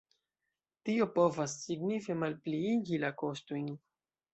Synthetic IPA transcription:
tio̞po̞vasːiɡnife̞malpliiɡilako̞stojn

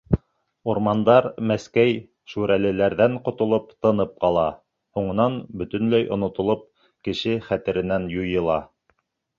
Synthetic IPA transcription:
uɾmɑnd̪ɑɾmæskæj | ʃuɾælɘ̆læɾðæɴqŏt̪ŏlˠopt̪ɤ̆nɤp̚qɑlˠɑ | huɴɤ̆nɑnbɵ̆t̪ɵ̆nlæjʔŏ̰nŏt̪ŏlˠop̚ | kɘ̆ʃɘχæt̪ɘ̆ɾɘ̆nænjujɤ̆lˠɑ

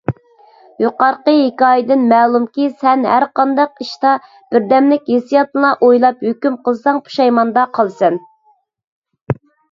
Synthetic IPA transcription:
juqɑɾqəɦekʲɑːjɪd̪ɪnmɛːlˠumkʲisɛnɦæ̰ɾqɑnd̪ɑqiʃt̪ɑ | b̥ɪɾd̪ɛmlɪkʲjesijɑt̪lˠɑʔojlˠɑphøkʲymqəlˠɨsɑŋpʰu̥ʃɑjmɑnd̪ɑqʰɑlˠsɛn

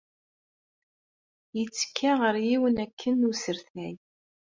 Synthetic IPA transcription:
jət͡sːə̥kʰːaʁəɾjiwənækʰːənːusəɾθnæj

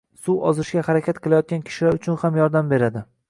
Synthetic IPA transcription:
suwɒzɪʃɡʲahaɾakʲʰat̪qʰɨlˠajɒt̪̚ɡʲankʲʰɪ̥ʃɪlaɾʊt͡ʃʰʊnhamjɒɾd̪ambe̞ɾad̪ɪ

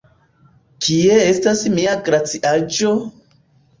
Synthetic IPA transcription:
kʰie̞estasmiaɡɾat͡siʔad͡ʒo

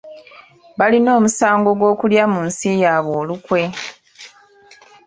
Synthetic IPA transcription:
βalino̞ːmusaːŋɡo̞ɡwo̞ːkuljamuːnsijaβoːlukwe̞

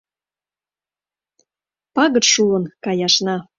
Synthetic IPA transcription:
pɑɣə̆ʃulənkɑjɑʃnɑ

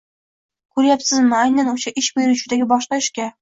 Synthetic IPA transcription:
kʉɾjapsɘzmɪæjnænuɕɑʔɪʃbɵjɾuɕud̪æɡʲɪbɒʃqɑɪ̆ʃkʲæ

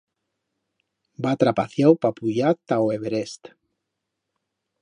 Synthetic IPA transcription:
bat̪ɾapaθjawpapuʎat̪aweβeɾest̪

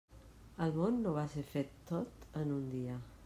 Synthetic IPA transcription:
əlˠmonːoβaseɾfet̪ːot̪ənund̪iə

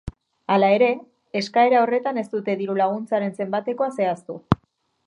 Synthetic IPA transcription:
alae̞ɾe̞ː | skae̞ɾao̞re̞t̪ane̞st̪ut̪e̞ðiɾulaɣ̞unt͡saɾe̞nse̞mbat̪e̞ko̞ase̞ast̪u

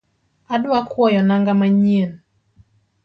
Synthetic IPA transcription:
aɗuakuɔjɔnaŋɡamaɲiɛn

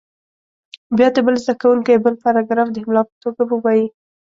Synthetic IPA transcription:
bjɑd̪əbəlzd̪akawuŋkajbəlpaɾɑɡɾɑfd̪əhɪmlɑpə̥t̪oɡabəwɑji

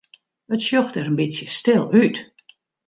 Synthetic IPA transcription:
ətsjɔxtɛɾənbɪtsjəstɪlˠyt

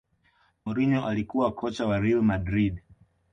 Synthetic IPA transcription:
mɔɾiɲɔʔalikuwakʰɔt͡ʃawaɾɛalmadɾid

